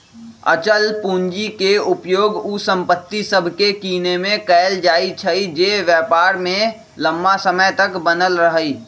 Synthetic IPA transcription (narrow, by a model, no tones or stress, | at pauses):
ə̰t͡ʃəlpuːɲd͡ʒikeʊpjoːɡusə̃mpət̪ːisəbʱkekiːnemẽkɛːld͡ʒaːit͡ʃʰəid͡ʒeʋjəːpaːɾmẽ | lə̃mːasəməjt̪əkbənəlɾəɦəi